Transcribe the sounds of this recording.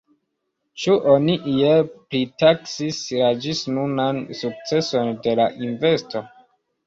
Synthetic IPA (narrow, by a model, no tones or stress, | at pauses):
t͡ʃuʔoniʔijeplitaksisɾad͡ʒisnunansuk̚t͡se̞so̞nde̞laʔinve̞sto̞